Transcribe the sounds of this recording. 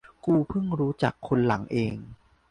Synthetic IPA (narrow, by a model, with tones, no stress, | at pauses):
kuː˧pʰɯ˥˩ŋɾuː˦˥t͡ɕa̰˨˩kʰːo˧nla˩˦ŋʔeː˧ŋ